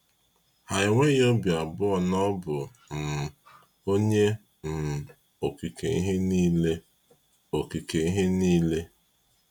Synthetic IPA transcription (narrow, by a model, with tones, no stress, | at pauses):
ha˨ɪ˨ŋʷe˦jo˦bja˨bʊ˦ɔ˦˨nɔ˦bʊ˨ | m̩˨ | o˦ɲe˦ | n̩˨ | o˨ki˨ke˨i˦ɦe˦niː˦le˦ | o˨ki˨ke˨i˦ɦe˦niː˦le˦